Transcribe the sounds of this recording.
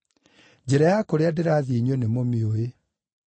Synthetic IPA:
d͡ʑɛɾajakoɾeadeɾaðiɲwenemomioe

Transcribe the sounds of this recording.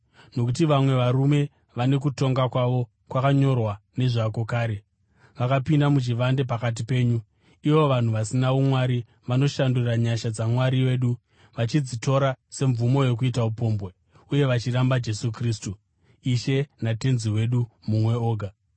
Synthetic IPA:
no̞kutiʋamwe̞ʋaɾume̞ | ʋane̞k̬uto̞ŋɡakwaʋo̞ | kwakaɲo̞rwane̞ʐako̞kaːɾe̞ | ʋakapindamut͡ʃiʋande̞p̬akat̬ipe̞ːɲu | iʋo̞ʋan̤uʋasinaʋomwaɾi | ʋano̞ʃanduraɲaʃad͡zamwaɾije̞ːɗu | ʋat͡ʃid͡zito̞ɾase̞ɱvumo̞je̞k̬uitaupo̞ːmbwe | uje̞ʋat͡ʃirambad͡ʒe̞sukriːstu | iʃe̞nate̞nziwe̞ɗumumwe̞o̞ːɡʱa

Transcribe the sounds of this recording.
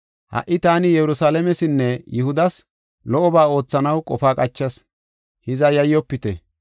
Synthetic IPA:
hɐ̰ʔɪt̪aːnɪjɛɾʊsaːlɛmɛsɪnːɛjɪhʊd̪ɐs | lɔʔɔbaːo̞ːt͡sːɐnɐwkʼɔfaːkʼɐt͡ʃːɐs | hɪzɐjɐjːɔpːɪt̪ɛ

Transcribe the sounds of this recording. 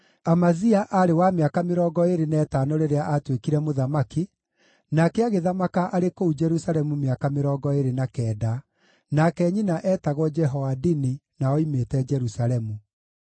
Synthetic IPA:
amaziaʔaɾewameakameɾɔːɡɔeɾenɛːtaːnoɾeɾeaʔatwekiɾɛmoðamaki | nakɛaɣeðamakaʔaɾekoud͡ʒɛɾusaɾɛmumeakameɾɔːɡɔeɾenakɛːda | nakɛːɲinaʔɛːtaɣwɔd͡ʒɛɦɔwadini | naɔimetɛd͡ʒɛɾusaɾɛmu

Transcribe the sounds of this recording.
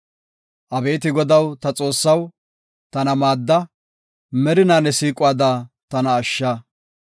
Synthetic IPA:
ʔɐbe̞ːt̪̬ɪɡɔd̪ɐwt̪ɐt͡sʼo̞ːsːɐw | t̪ɐnɐmaːd̪ːɐ | mɛɾɪnaːnːɛsiːkʼʊwaːd̪aː | t̪ɐnɐːʃːaː

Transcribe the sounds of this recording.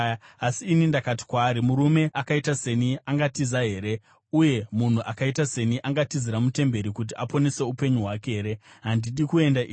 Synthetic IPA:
asiːnindakati̥kwaːɾimuɾume̞ʔakaitase̞niaŋɡatizaɦe̞ːɾe̞ | uje̞mun̤uʔakaitase̞niʔaŋɡatiziɾamute̞mbe̞ɾikut̬iʔapo̞ne̞se̞upe̞ɲuɦwakeɦeɾe̞ɦandiɗikue̞ndaː

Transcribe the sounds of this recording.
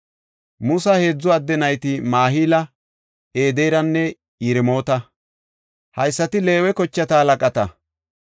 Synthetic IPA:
mʊsɐhe̞ːd͡zːɔɐd̪ːɛnɐjt̪ɪmaːɦiːlɐ | e̞ːd̪ejɾɐnːɛ | ɪɾɪmo̞ːt̪ɐ | hɐjsːɐt̪ɪle̞ːwɛkɔt͡ʃːɐt̪alɐkʼɐt̪ɐ

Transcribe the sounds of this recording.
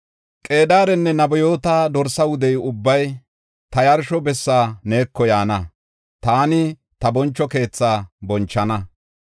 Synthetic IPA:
kʼe̞ːd̪aːɾɛnːɛnɐbɔjoːt̪aːd̪ɔɾsɐwʊd̪ɛjʊbːɐj | t̪ɐjɐɾʃɔbɛsːaːne̞ːkːɔjaːnɐ | t̪aːnɪ | t̪ɐbɔnt͡ʃːɔke̞ːt͡sːaːbɔnt͡ʃːɐnɐ

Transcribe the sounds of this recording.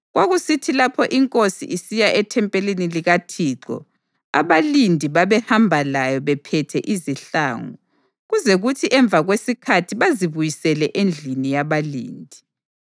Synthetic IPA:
ɣwaɣusitʰilapʰɔʔiŋkʼosḭʔisijaʔɛtʰɛmpʼeliniliɣatʰiːǃɔ̰ | a̰βalindʱiβaβɛhambʱalajɔβɛpʰɛtʰɛʔiziɬa̰ːŋɔ | ɣuzeɣutʰiʔɛɱb̪vʱaɣwesikʰatʰiβaziβujisɛlɛʔend͡ɮʱinijaβalḭːndʱi

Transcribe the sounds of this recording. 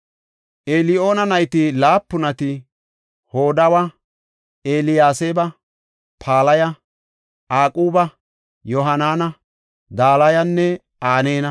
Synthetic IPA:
ʔelɪʔo̞ːnɐnɐjt̪ɪlaːpːʊnɐt̪ɪ | hoːd̪ɐwɐ | eːlɪjaːsebɐ | pʰaːlɐjɐ | aːkʼuːbɐ | jɔɦɐnaːnɐ | d̪aːlɐjɐnːɛ | aːne̞ːnɐ

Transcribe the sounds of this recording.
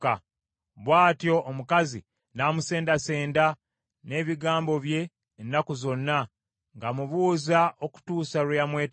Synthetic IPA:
a | βwaːtjo̞ʔːmukazi | naːmuse̞ːndase̞ːnda | ne̞ːβiɡaːmbo̞βje̞ː | nːakuzo̞nːa | ŋɡamuβuːzaʔoku̥tuːsalujamweːt

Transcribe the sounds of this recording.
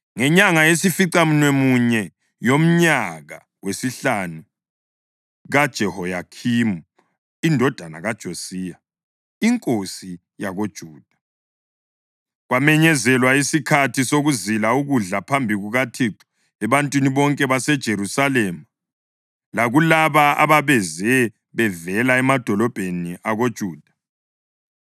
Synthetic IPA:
ŋɛɲaŋaesifiǀam̩nwemuɲɛ | jom̩ɲaɣa̰ | wesiɬanu | ɣad̥ʒ̥ʱɛhɔjakʰimu | indʱɔd̥ʱana̰ɣad̥ʒ̥ʱosiːja | iŋkʼosi | jaɣod̥ʒ̥ʱuːd̥ʱḁ | ɣwamɛɲɛzɛlwaisikʰatʰisoɣuzilauɣuɮapʰambʱiɣuɣatʰiǁʰu̥ | ɛβantʼwiniβɔŋkʼɛβasɛd̥ʒ̥ʱeɾusalɛma | laɣulaβaa̰βaβɛzɛ | βɛvɛlaɛmad̥ʱɔlɔb̥ʱeniʔaɣod̥ʒ̥ʱuːd̥ʱḁ

